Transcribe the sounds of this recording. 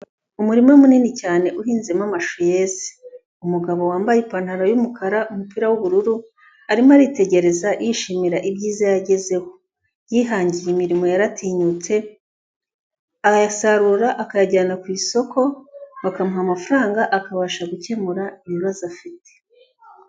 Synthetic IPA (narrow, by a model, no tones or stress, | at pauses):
umuɾimomuniːnicaːne̞ʔuɦiːnzemamaʃoje̞ːze̥ | umuɡaβo̞waːmbajepan̥haɾojumukaɾaʔumupiːɾawuβuɾuɾu | aɾimaɾite̞ɟe̞ɾe̞zajʔiʃimiɾaʔibɟiːzajaɟe̞ze̞ho̞ | jiɦaːɲɟijemiɾimo̞jaɾatʰiːɲut͡se̞ | akajasaɾuːɾaʔakajaɟaːnakwiːso̞kʰo̞βakamuɦamafuɾaːŋɡaʔakaβaʃaɡuce̞muɾaimuβazafite̥